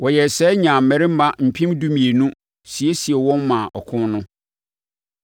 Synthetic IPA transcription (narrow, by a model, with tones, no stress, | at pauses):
wɔ˨jɛ˨sɛː˦ɲã˨m̩˨mːɛ̃˨ɾɪ˦m̩˦mã˦m̩˨pʰĩ˦mdu˦mĩ˨e˨nũ˦ | si˨e˦si˨ɛ˨wɔ̃˦nːã˨ʔɔ˨kʰʊ̃˦nnʊ̃˦